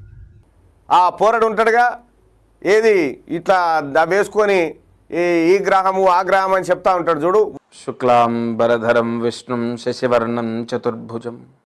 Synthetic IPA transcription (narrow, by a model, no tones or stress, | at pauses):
aːpɔːɾɐɽiuɳʈɐɽɐɡaː | eːd̪iiʈlaʋeːsu̥koni | iːɡɾaːɦɐmuaːɡɾaːɦɐmɐnit͡ʃep̚t̪aːuɳʈaːɽud͡ʒuːɽu | ʃuklaːmbɐɾɐd̪ʱɐɾɐmʋiʂɳumʃɐʃiʋɐɾɳɐmt͡ʃɐt̪uɾbʱud͡ʒɐm